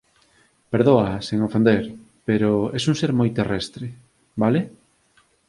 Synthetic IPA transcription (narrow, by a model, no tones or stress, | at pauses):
peɾðoɐseŋofend̪eɾ | peɾoɛsuŋseɾmojt̪erɛst̪ɾe | bale